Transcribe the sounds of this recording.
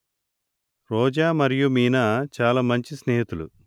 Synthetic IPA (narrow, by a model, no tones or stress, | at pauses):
ɾɔːd͡ʒaːmɐɾijumiːnɐt͡ʃaːlaːmɐɲt͡ʃisneːɦit̪ulṵ